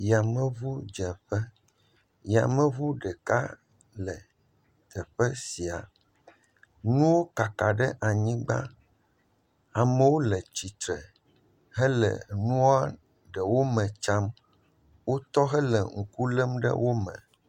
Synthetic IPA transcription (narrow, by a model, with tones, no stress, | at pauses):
ja˨mə̃˦vu˦d͡ʒɛ˨ɸɛ˦ | ja̰˨mə̃˦vu˦ɖə˨ka̰˦ | lə˨ | t̪ʰɛ˨ɸə˦si˨a̰˨ | nũ˦wo˦ka˨ka˨ɖɛ˦ʔa˨ɲĩ˦ɡ͡ba̰˦ | a˨mə̃˦wo˦lə˨t͡ɕi˨t̪ɾə˨ | ɦɛ˦lə̰˨nũ˦a˦ | ɖə˨wo˦mə̃˨t͡ʃa˦m | wo˦t̪ɔ˦ɦɛ˦lɛ˨ŋ̩˨ku˦lə˦mɖə̰˦wʔo˦mə̰̃˨